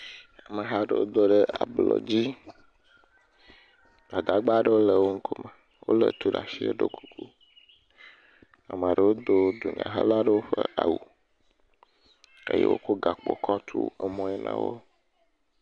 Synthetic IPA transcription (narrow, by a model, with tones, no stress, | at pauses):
a˨mə˨ɦa˦ɖə̰˦˨wo̰˦d̪o˦ɖə˦a˨blɔ̰˨d͡ʑi˦ | a˨d̪a˨ɡ͡ba˦ɖə˦wo˦lə˨wo˦ŋ̩˦kʰo˦mə˨ | wo̰˦lə̰˨t̪u˦ɖa˨si˦e˦ɖo˦ku̥˨ku˦ | a˨m˨a˨ɖə˨wo˦d̪o˦d̪o˨ɲã̰˨ɦə̰˦la˦ɖə˦wo˦ɸə˦a˨wu˨ | ḛ˦jḛ˦wo̰˦ko˦ɡa˨k͡po̰˨kʰɔ˦t̪ʰṵ˦ɛ˦mɔ̃˦ɛ˦nã̰˨wo̰˦